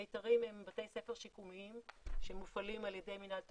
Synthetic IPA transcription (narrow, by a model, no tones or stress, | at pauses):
ejtaʁimhe̞mbate̞jse̞feʁʃikumiimʃemufalimaljede̞jminalt